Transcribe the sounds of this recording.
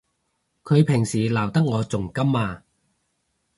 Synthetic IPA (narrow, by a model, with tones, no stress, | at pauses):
kʰɵ˨˧ɥpʰɪ˨˩ŋsiː˨˩laː˨˩wt̪ɐ˥k̚ŋɔː˨˧t͡sʊ˨˩ŋkɐ˥maː˧